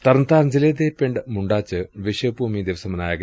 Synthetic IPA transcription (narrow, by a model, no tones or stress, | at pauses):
t̪ɐɾnt̪aːɾɲd͡ʑiled̪eːpeɳɖɨmuɳɖaːt͡ɕːɨʋiɕɐpuːmid̪iʋɐsɐmɐnaːjaːɡɐ